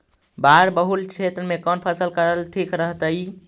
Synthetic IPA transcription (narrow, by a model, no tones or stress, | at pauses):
baɾbəɦult͡ʃʰet̪ɾəmekənpʰəsəlkəɾəlʈʰikɾəɦt̪əj